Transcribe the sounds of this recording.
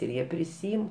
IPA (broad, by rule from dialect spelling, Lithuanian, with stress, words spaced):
ɪr ˈjiɛ pʲrʲɪˈsʲiːɪm